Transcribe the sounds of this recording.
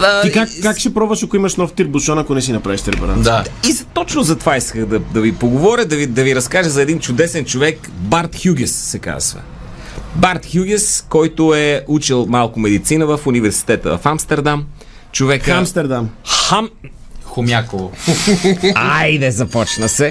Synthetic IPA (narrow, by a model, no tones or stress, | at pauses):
əikakkːakʃɛpɾɔbvɐʃɐkʊimɐʃnɔft̪iɾbuʃɔnɐkonɛs̬inɐpɾaviʃt̪ɛɾɛpɛɾad̪aizt̪ɔt͡ʃnʊzɐt̪ovaiskəxd̪ɐd̪ɐvipoɡovɔɾʲəd̪ɐvid̪ɐviɾɐskaʒəzɐɛd̪int͡ʃʊd̪ɛsɛnt͡ʃovɛk | baɾt̪xʲjuɡʲɛsːɛka̰zvə̰ | baɾt̪xʲjuɡʲɛskɔjt̪ʊɛut͡ʃɛlˠmalˠkʊmɛd̪it̪sinəvəfunivɛɾsi̥t̪ɛt̪ə̰vɐ̰famst̪ɛɾd̪am | t͡ʃovɛkəamst̪ɛɾd̪amxamxʊmʲjakovo | ajd̪ɛzɐpɔt͡ʃnəsɛ